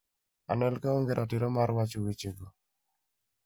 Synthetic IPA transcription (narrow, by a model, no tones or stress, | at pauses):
a̰nɛlkaoŋɡeɾʔatɪɾɔmaɾwat͡ʃowit͡ʃeɡo